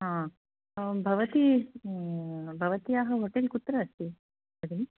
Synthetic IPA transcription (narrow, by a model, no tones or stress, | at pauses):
ɦãː | bʱɐʋɐt̪i | bʱɐʋɐt̪ijaːɦɐɦoʈelkut̪ɾɐɐst̪i | ɐd̪ini